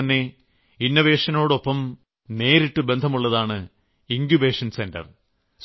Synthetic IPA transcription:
ɐnːe̞ | inːɐʋe̞ːʂɐno̞ːɽo̞pːɐm | ne̞ːɾiʈːɨbe̞nd̪ʱɐmuɭːɐðaːɳɨ | iŋkjube̞ːʂɐnse̞ndɐ̰r | s

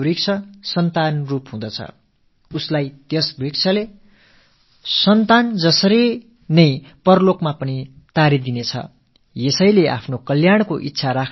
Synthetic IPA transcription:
ɾik̚t͡sʰʌsʌnt̪anrupɦũd̪ʌt͡sʰʌ̰ | uslajt̪jesbrikt͡sʰʌle | sʌnt̪and͡zʌsʌɾi | nʌjpʌrlokmapʌni | t̪aɾid̪inet͡sʰʌ̰ | jesʌjleʔa̰pʰnokʌljaɽ̃koʔitːsʰaɾakʰ

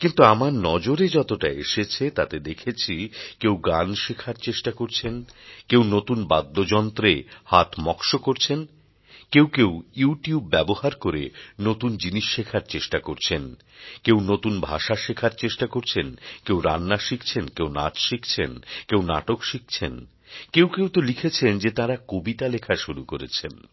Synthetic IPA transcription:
kint̪uamaɾnɔd͡ʑoɾed͡ʑɔt̪oʈaeʃet͡ɕʰet̪at̪ed̪ekʰet͡ɕʰikewɡanʃekʰaɾt͡ɕeʃʈakoɾt͡ɕʰenkewnot̪unbad̪ʱːod͡ʑɔnt̪ɾehat̪ʰmɔkʃokoɾt͡ɕʰen | kewkewjuʈiubːɛbohaɾkoɾenot̪und͡ʑiniʃːekʰaɾt͡ɕeʃʈakoɾt͡ɕʰen | kewnot̪unbʱaʃaʃekʰaɾt͡ɕeʃʈakoɾt͡ɕʰenkewɾa̰nːaʃik̚ʰt͡ɕʰenkewna̰t͡ɕʃikʰt͡ɕʰenkewna̰ʈokʃik̚ʰt͡ɕʰen | kewkewt̪olikʰet͡ɕʰend͡ʑet̪aɾakobit̪alekʰaʃuɾukoɾḛt͡ɕʰḛn

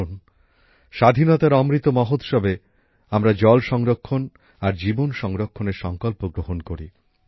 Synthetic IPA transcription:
n | ʃad̪ʱinɔt̪aɾɔmɾit̪ːomɔɦot̪ʃɔbe | amɾad͡ʑɔlʃɔŋɾokʰːon | aɾd͡ʑibonʃɔŋɾokʰːoneɾʃɔŋkɔlpoɡɾoɦonkoɾḭ

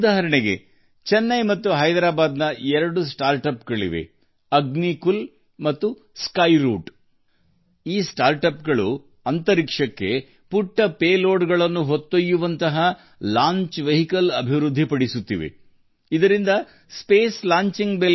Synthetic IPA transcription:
d̪aːɦɐɾɐɳeɡḛ | t͡ʃɛnːɐjmɐt̪ːuɦɐjd̪ɾaːbaːd̪nɐɛɾɐɽusʈaːɾʈɐpɡɐɭḭʋe̞̰ | ɐɡnikul | mɐt̪ːu | skɐjɾuːʈ | iːsʈaːɾʈɐp̚ɡɐɭu | ɐnt̪ɐɾikʂɐkːe | puʈːɐpeːloːɖɡɐɭɐnːuɦot̪ːojːuʋɐnt̪ɐɦɐ | laːɲt͡ʃʋɐɦikɐlɐbʱiʋɾud̪ʱːipɐɽisut̪ːiʋḛ | id̪ɐɾind̪ɐ | speːslaːɲt͡ʃiŋɡbe

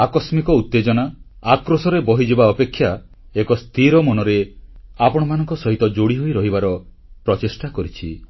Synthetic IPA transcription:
akɔsmikɔut̪ːed͡ʒɔnaakɾosɔɾebɔɦid͡ʒibaɔpekʰːja | ekɔst̪ʰiɾɔmɔnɔɾeapɔɽ̃ɔmanɔŋkɔsɔɦit̪ɔd͡ʒoɽiɦojɾɔɦibaɾɔ | pɾɔt͡ʃesʈakɔɾit͡ʃʰi

